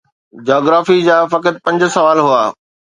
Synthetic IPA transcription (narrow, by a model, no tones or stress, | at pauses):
d͡ʑaːɡɾaːfid͡ʑaːfɐkət̪̚pɐ̃ɲd͡ʑʊ̆sɐʋaːlɦuaː